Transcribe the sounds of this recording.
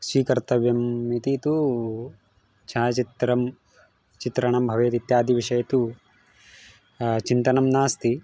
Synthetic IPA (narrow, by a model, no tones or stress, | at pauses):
ʃiːkɐɾt̪ɐʋjɐmːit̪it̪u | t͡ʃʰaːt͡ʃit̪ɾɐm | t͡ʃit̪ɾɐɳɐmbʱɐʋeːt̪it̪jaːd̪ʱiʋiʂɐjɐt̪u | t͡ʃint̪ɐnɐmnaːst̪i